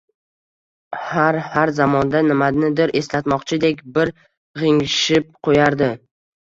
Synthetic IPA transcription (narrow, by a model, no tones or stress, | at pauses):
haɾhaɾzamɒnd̪anɪmad̪nɪd̪ɪɾʔe̞slat̪mɒqt͡ʃʰɪd̪ekʲbɪɾ | ʁɪŋʃɪp̚qʰojaɾd̪ɪ